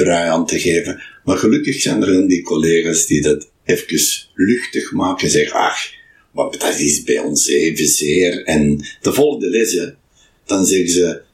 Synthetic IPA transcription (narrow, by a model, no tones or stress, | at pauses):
b̥rœɥɑntəɣeːvəmarɣəlʉkəxsɛjnəɾɪndikɔleːɣaːsdidɑt | ɛfkəslʏxtəxmaːkənzɛɣəɑ̰x | ʋɑpd̥ɑtɪsbɛjɔ̰nseːvəzɪːrɛnd̥əvɔlˠɣdəlɪzə | d̥ɑnzɛɣəzə